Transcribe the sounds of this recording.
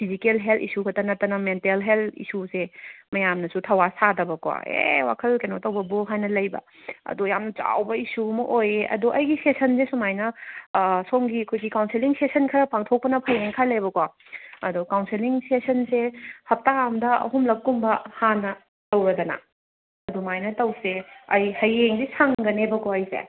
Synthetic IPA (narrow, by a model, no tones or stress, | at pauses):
pʰizikelɦeltʰḭsukʰɐtɐnɐtɐnɐmentelɦeltḭsusemɐjamnɐsutʰɐwasadɐbɐkowa̰ḛwa̰kʰɐlkɐjnotɐwbɐbuɦajnːɐlɐjbɐ̰ | ɐ̰dujamnɐt͡ʃa̰wbɐisumɐʔojeʔɐ̰duʔɐjɡisesɐnsesumajnɐ | soŋɡiɐkʰojɡikawnsiliŋsesɐnkʰɐɾɐpaŋtʰok̚pɐnɐpʰɐjeŋkʰalebɐkwa | ɐdukawnsiliŋsesɐnsehɐp̚taamdɐʔɐ̰ɦumlɐk̚kumbɐhanːɐ | tɐwɾɐdɐnɐ̰ | ɐdumajnɐtɐwseɐjhɐjeŋdisʰaŋɡɐnebɐkʰoɐjsḛ